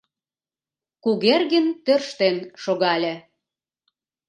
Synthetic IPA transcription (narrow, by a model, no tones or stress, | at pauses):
kuɣerɣənt̪ørʃt̪enʃoɣɑlʲĕ